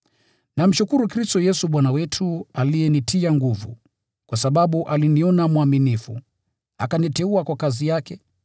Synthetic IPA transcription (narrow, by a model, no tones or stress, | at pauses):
nam̩ʃukuɾukɾistɔjɛsuɓwanawɛtʰualijɛnitʰiaŋɡuvṵ | kwasaɓaɓuʔaliniɔnamuaminifṵ | a̰kanitɛuakwakazijakɛ